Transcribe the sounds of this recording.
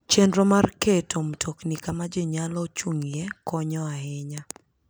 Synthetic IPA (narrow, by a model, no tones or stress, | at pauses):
t͡ʃendɾomarketomtʰoknikamad͡ʒeɲalɔt͡ʃuŋjekɔɲɔaɦɪɲa